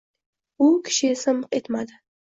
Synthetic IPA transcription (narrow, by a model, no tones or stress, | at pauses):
ukʰʃesɐmqʼet̪mad̪ɨ